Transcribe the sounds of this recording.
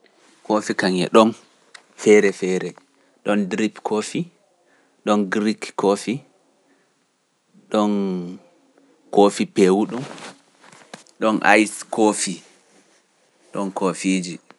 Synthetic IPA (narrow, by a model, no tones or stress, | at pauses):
kofikaŋɛ̰ɗɔn | fɛɾɛfɛɾɛ | ɗɔndɾipkʰoːfi | ɗɔnɡɾikkofi | ɗɔn | kofipewuɗum | ɗɔnʔa̰jskʰofi | ɗɔnkʰofiːd͡ʒi